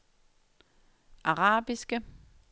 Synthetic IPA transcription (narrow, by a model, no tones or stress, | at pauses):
ʔɑʁɑ̈ːb̥isɡ̥ə